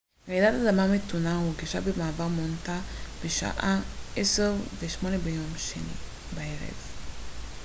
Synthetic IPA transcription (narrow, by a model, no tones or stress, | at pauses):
ʁeidatadamametunaoɡiʃabemaːvaʁmontab̥eʃa̰ʔaʔeseʁveʃmo̞nebejomʃenḭ | baeʁḛv